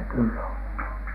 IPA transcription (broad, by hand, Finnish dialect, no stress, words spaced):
kylːæ on